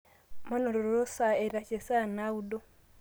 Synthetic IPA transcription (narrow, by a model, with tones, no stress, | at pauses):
ma˦no˨ɾo˨ɾo˨ɾo˦sa˨e˨ɾa˨t͡ʃe˨sa˦˨na˦u˦do˦